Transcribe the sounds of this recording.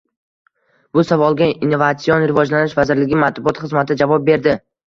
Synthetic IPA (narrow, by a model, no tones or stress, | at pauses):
bʊsavɒlˠɡʲainːovat̪sionɾɪvɒd͡ʒlanɪʃvazɪɾlɪɡʲɪmat̪bʊɒt̪χɨzmat̪ʰɪd͡ʒavɒp̚be̞ɾd̪ɪ